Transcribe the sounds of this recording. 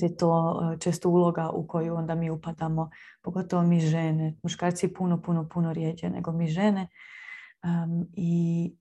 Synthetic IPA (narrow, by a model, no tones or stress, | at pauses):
jet̪oːt͡ʃest̪ouːlˠo̞ɡaʔṵko̞juo̞nd̪amiːupad̪amo̞po̞ɡo̞t̪oʋomiʒenemuʃkaːɾt̪sipunopunopunoɾjed͡ʑḛnḛɡo̞miʒe̞ne | i